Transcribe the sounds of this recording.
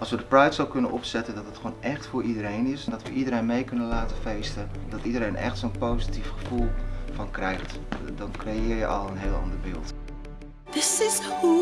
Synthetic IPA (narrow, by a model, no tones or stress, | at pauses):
ʔɑlˠsʋədəprɛjtsolkɵnənʔɔpsɛtəndɔtdətχownʔɛχtfʊːɹidəɾejnɪsɛndɔtʋə̰ʔidəɾejnmejkɵnəlaːtəfejstədɔtidəɾejnʔɛ̰xtsonpowzitifχəfulˠfɑnkrɛjχt | dɔnkrejɪːɹjəʔɑlˠənɦeːlˠɑ̰ndəɹbɪːlˠt | ðɪsɪz